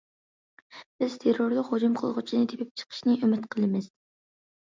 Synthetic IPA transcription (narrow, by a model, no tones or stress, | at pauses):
b̥ɪz̥t̪ʰeɾoɾlɨqhod͡ʒumqʰəlˠʁʊt͡ʃʰinɪt̪ʰepʰɪp̚t͡ʃʰə̥qʰə̥ʃnɪʔymɪt̪qʰəlˠɨmɪz̥